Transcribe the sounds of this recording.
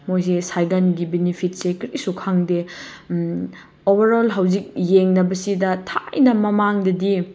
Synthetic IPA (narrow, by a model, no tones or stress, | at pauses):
mojs̬esajɡanɡibenipʰit̚sekɾisukʰaŋde | obʱɐɾolɦɐwzik̚jeŋnɐbɐsidɐtʰajnɐmɐmaŋdɐdi